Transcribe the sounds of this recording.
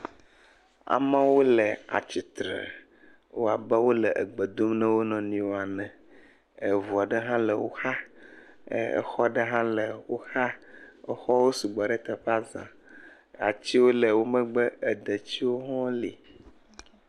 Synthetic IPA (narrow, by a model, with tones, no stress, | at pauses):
a̰˨mã˦wo˦lɛ˨a̰˨t͡ɕi˨t̪ɾə̰˨ | wo˦a˨bɛ˦wo˦lɛ˨ʔə˨ɡ͡bə˨d̪o˦mnɛ̃˦wo˦nɔ̃˨nĩ˦wo˦a˨nɛ̃˨ | ə˨vu˨a˨ɖə˦ɦã˦lə˨wo˦ha̰˦˨ | ɛ̰˨xɔ˦ɖə˦ɦã˦lə˨wo˦ha˦ɛ˨xɔ˦wo˦su˨ɡ͡bɔ˨ɖɛ˦t̪ə˨ɸa˦zã̰˨ | a˨t͡ɕi˦wo˦lɛ˨wo˦mə̃˦ɡ͡bə˦ɛ˨d̪ə˨t͡ɕi˦wo˦ɦɔ̃˦li˨